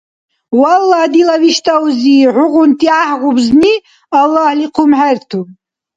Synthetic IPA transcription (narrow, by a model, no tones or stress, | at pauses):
walːadilaviʃtʼawziʕʷʊʁʷʊntʼiaħʁʷʊbzni | alːahliqʰʊmħartʰumʼ